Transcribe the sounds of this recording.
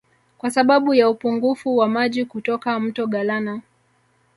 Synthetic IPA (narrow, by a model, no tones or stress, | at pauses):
kwasaɓaɓujaupuŋɡufuwamaʄikutɔkam̩tɔɠalana